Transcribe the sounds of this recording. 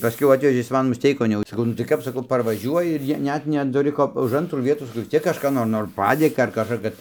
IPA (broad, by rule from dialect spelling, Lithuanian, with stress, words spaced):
pɐˈsʲkʲɛʊ ˈɑːtʲʋʲɛʒʲeː ˈjɪs ˈmɐn mʊsʲˈtʲɛɪkoːn jɛʊ sɐˈkɐʊ nʊ tɐɪ ˈkɐp sɐˈkɐʊ pɐrʋɐˈʒʲuɔjɪ ɪr ˈjiɛ ˈnʲɛt nʲɛtʊˈrʲɪ ˈkoː ʊʃ ˈɐntruː ˈʋʲiɛtuː sɐˈkɐʊ ʋʲɪs ˈt͡sʲiɛk kɐʃˈkɑː noːr ˈnoːr ˈpɑːdʲeːkɐ ɐr kɐʃˈkɑː kɐt